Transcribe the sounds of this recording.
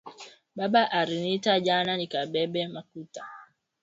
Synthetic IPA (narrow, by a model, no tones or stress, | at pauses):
baɓaʔaɾinitaʄananikaɓɛɓɛmakuta